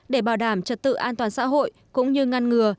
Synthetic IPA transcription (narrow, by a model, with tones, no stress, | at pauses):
ɗe˧˩ɓaː˧˩wɗaː˧˩mt͡ɕə˨˩t̚t̪ɨ̰˧˨ʔaː˧nt̪waː˨˩nsa̰ː˧˥ɦo̰˧˨j | kʊ̰˧˥ŋ͡mɲɨ˧ŋa˧nŋɨ˨˩ə